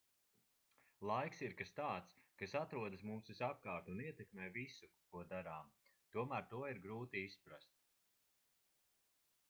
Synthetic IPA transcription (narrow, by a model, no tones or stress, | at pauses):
lˠajksiɾkast̪aːt̪skasat̪ɾuɔd̪asmuːsisap̚kaːɾt̪uːniɛt̪ɛkmeːvisukuɔd̪aɾaːmt̪uɔmæːɾt̪uɔiɾɡɾuːt̪iispɾast̪̚